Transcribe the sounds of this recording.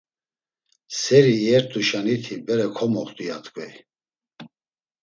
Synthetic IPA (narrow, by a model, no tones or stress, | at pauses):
sɛɾiːɛɾt̪ʼuʃanit̪ʰibɛɾɛkʰɔmɔχt̪ʼujat̪ʼkʼvɛi